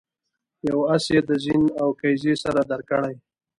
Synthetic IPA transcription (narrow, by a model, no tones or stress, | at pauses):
jawasjed̪əzinawkajzesaɾad̪aɾkəɽaj